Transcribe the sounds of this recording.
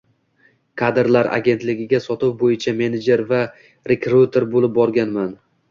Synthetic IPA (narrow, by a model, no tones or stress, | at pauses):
kʰad̪ɾlaɾʔa̰ɡʲe̞nt̪lɪɡʲɪɡʲasɒt̪ɪwbojɪt͡ʃʰame̞ned͡ʒe̞ɾva | ɾekɾut̪ʰe̞ɾbolɪp̚bɒɾɡʲanman